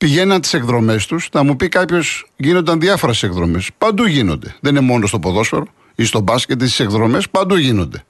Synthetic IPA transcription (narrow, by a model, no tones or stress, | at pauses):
piʝe̞nɐnt̪i̥se̞kðɾo̞me̞st̪usnɐmupikɐpço̞sʝino̞nd̪ɐnðiɐfo̞ɾe̞sekðɾo̞me̞spɐnd̪uʝino̞̰nd̪e̞ðeninemo̞nost̪opoðo̞sfe̞ɾo | ist̪o̞bɐsce̞t̪ist̪i̥sekðɾo̞me̞spɐnd̪uʝino̞̰nd̪e